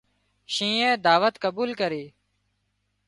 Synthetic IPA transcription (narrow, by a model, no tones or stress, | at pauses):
ʃĩːɛ̃ːd̪aːʋət̪kəbuːlkəɾeː